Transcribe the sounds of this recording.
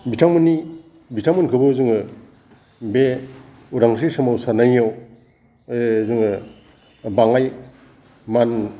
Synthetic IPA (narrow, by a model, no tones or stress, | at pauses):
bitʰaŋmɯnːi | bitʰaŋmɯnkʰɯbɯzɯŋɯ | be | uɾaŋs̬isɯmawsanajaw | zɯŋɯ | baŋaj | man